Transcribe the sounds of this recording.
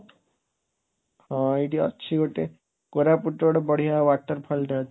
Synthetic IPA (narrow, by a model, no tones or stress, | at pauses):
hãiʈiɔ̰tːʃʰiɡʱoʈe | koɾapuʈoɽbɔɽ̤iɦaʋaʈːəɾpʰɔlʈ̪eɦt̪